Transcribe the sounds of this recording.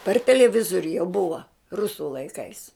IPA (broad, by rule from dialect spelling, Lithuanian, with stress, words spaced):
pɐr tʲɛlʲɛˈʋʲɪzoːrʲʊ jɛʊ ˈbʊʋɐ ˈrʊsʊ lˠɐɪˈkɐɪs